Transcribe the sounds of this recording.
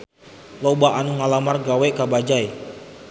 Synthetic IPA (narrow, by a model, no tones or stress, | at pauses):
lɔbaʔanuŋalamarɡawɛʔkabad͡ʒaj